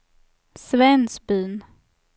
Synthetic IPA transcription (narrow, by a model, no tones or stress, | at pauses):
svɛnsbyːn